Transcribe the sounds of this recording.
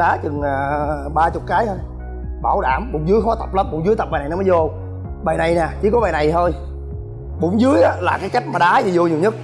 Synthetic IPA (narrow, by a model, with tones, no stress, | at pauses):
ɗaː˨˦t͡ɕɨ˨˩ŋː˨˩ɓaː˧t͡ɕʊ˨˩k͡p̚kaː˨˦jt̪ʰo˧j | ɓaː˧˩wɗaː˧˩mɓʊ̰˧˥ŋ͡mzɨ˨˦əjxɔ˨˦t̪ə˨˩p̚la˨˦mɓʊ̰˧˥wŋ͡mzɨ˨˦jt̪ə˨˩p̚aː˨jna˨˩jn˨˦məː˨˦zo˧ | ɓaː˨˩jna˨˩jnɛ˨˩t͡ɕi˧˦kɔ˨˦ɓaː˨˩jna˨˩jt̪ʰo˧j | ɓʊ̰˧˥ŋ͡mzɨ˨˦əjʔaː˨˦laː˨˩kaː˨˦jka˦˥jk̚maː˨˩ɗaː˨˦zi˨˩zo˧ɲi˨˩əwɲə˦˥t̚